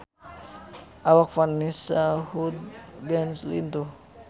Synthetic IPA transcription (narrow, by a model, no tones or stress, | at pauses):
awakfarnisahud̪̚ɡɛnslḭnt̪u